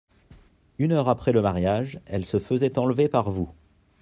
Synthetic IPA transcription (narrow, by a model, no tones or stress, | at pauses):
ynœʁapχɛləmaʁjaʒɛlsəfəzɛt̪ɑ̃lvepaʁvu